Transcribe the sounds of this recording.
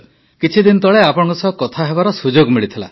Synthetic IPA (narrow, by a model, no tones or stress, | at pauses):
kit͡ʃʰid̪inɔt̪ɔɭeapɔɽɔ̃kɔsɔɦkɔt̪ʰaɦebaɾɔsud͡ʒoɡmiɭit̪ʰila̰